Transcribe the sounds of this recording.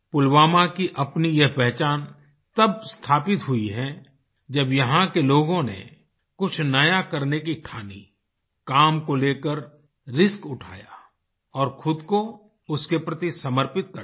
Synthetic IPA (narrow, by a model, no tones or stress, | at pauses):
pʊlwaːmakiʔɐpnijɐɦpɛɦt͡ʃaːn | t̪ɐb̚st̪ʰaːpɪt̪ɦʊiɦɛ̃ | d͡ʒɐbjɐɦãkeloːɡõnḛ | kʊt͡ʃʰnɐjakɐɾnekiʈʰaːnḭ | kaːmkoleːkəɾ | ɾɪskʊʈʰa̰ːja̰ | ɔːɾxʊd̪ko | ʊskepɾɐt̪isɐməɾpɪt̪̚kə